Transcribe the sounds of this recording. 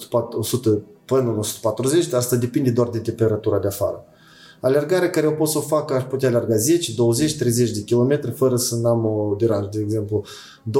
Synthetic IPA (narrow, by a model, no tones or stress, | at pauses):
aosut̪əpənɨnosu̥t̪ə̥pat̪ɾuzet͡ʃʲd̪ast̪ad̪e̞pind̪ʲe̞d̪oard̪e̞t̪e̞mpe̞ɾat̪uɾad̪eafa̰ɾə | alerɡaɾeakaɾeo̞po̞t̪səofakəaʃput̪̬ʲaːlearɡaze̞t͡ʃd̪o̞wəze̞t͡ʃʲt̪ɾe̞jze̞t͡ʃʲd̪e̞kʲilo̞me̞t̪ɾʲefəɾəsənamod̪eɾanʒəd̪eːɡze̞mplu | d̪o